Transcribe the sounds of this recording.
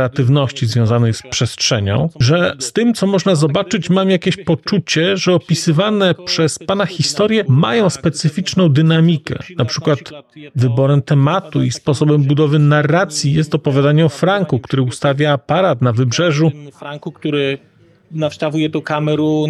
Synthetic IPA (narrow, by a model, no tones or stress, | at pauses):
ɛat̪ɘvnɔɕt͡ɕizvʲjɔ̃w̃zanɛjspʂɛstʂɛɲɔ̰̃w̃ʐɛst̪ɘmt̪sɔmɔʐnazɔbat͡ʂɘt͡ɕmamjakʲeɕpɔt͡ʂut͡ɕɛʐɛɔpʲisɘvanɛpʂɛspanaxʲist̪ɔɾjɛma̰jɔ̃w̃spɛt̪sɘfʲit͡ʂnɔ̃w̃d̪ɘnamʲikɛ̰napʂɘkwat̪vɘbɔɾɛmt̪ɛmat̪uispɔsɔbɛmbud̪ɔvɘnarːat̪sʲjijɛst̪ɔpɔvʲjad̪aɲɛɔfɾaŋkukt̪uɾɘust̪avʲjaːpaɾat̪navɘbʐɛʐuɔfɾaŋkukt̪uɾɘ | nafʂt̪avujɛt̪ɔkamɛɾu